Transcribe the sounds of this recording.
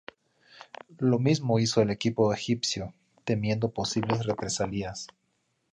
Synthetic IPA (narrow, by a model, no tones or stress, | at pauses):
lo̞mizmo̞iso̞ele̞kipo̞exipsjo̞ | t̪e̞mje̞nd̪o̞po̞siβle̞sre̞pɾesalias